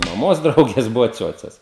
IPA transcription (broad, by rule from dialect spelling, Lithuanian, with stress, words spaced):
mɐˈmoːs ˈdrɐʊɡʲeːs ˈbʊʋoː ˈt͡sʲuɔt͡sʲɛs